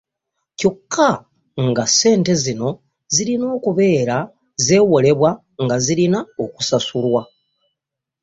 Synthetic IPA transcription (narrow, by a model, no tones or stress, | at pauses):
co̞kʰːa | ŋɡase̞ːnte̞zino̞ | ziɾino̞ːkuβe̞ːɾa | ze̞ːwo̞le̞βwa | ŋɡazilinaoku̥sasulwa